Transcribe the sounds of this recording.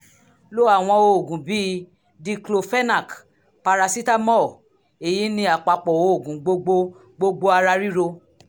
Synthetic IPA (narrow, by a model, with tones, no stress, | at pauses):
lo˦a˦˨w̃ɔ̃˧o˧o˨ɡũ˨bi˦ | di˧klo˧fɛ˦na˦˨k | pa˧ɾa˧si˦ta˦mɔ˦˨ | e˨ji˨˦nĩ˧˦a˨k͡pa˨k͡pɔ˨wo˨˦o˦˨ɡũ˨ɡ͡bo˧ɡ͡bo˧ | ɡ͡bo˧ɡ͡bo˧a˧ɾa˧ɾi˦ɾo˧